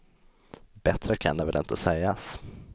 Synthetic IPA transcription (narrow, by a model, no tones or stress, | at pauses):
bɛt̪ɾəkʰanɛvɛlɪ̰nt̪ʰəsɛjːas